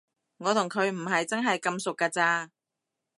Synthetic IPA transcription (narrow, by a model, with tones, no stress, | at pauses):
ŋɔː˨˧t̪ʰʊ˨˩ŋkʰɵ˨˧ɥm̩˨˩ɦɐ˨jt͡sɐ˥nɦɐ˨jkɐ˧msʊ˨kːaː˧t͡saː˧